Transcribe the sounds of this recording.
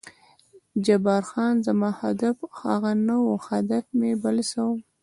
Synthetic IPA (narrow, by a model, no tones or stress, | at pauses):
d͡ʒabɑɾxɑnzamɑhad̪afha̰ɣanawoxad̪afmebalsawəm